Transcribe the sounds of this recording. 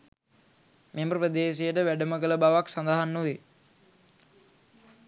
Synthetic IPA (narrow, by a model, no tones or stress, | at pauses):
mʔeməpɾəd̪eːʃejəʈəʋæɖəməkələbaʋaksand̪aɦanːuʋe